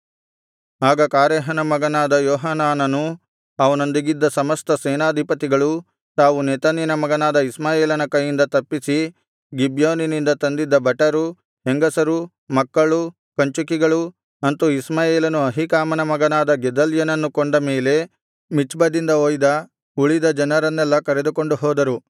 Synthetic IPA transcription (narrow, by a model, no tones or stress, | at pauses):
aːɡɐkaːɾɛːɦɐnɐmɐɡɐnaːd̪ɐjɔːɦɐnaːnɐnu | ɐʋɐno̞nd̪iɡid̪ːɐsɐmɐst̪ɐsɛːnaːd̪ʱipɐt̪iɡɐɭu | t̪aːʋunɛːt̪ɐnɐnɐmɐɡɐnaːd̪ɐismaːjeːlɐnɐkɐjːind̪ɐt̪ɐpːisi | ɡibjoːninind̪ɐt̪ɐnd̪id̪ːɐbɐʈːɐɾu | ɦeŋɡɐsɐɾu | mɐkːɐɭu | kɐɲt͡ʃukiɡɐɭu | ɐnt̪uismaːjeːlɐnuɐɦikaːmɐnɐmɐɡɐnaːd̪ɐɡɛd̪ɐljɐnɐnːukoɳɖɐmeːle̞ | mit͡ʃbɐd̪ind̪ɐoːjd̪ɐ | uɭid̪ɐd͡ʒɐnɐɾɐnːɛlːɐkɐɾed̪uko̞ɳɖuɦɔːd̪ɐɾu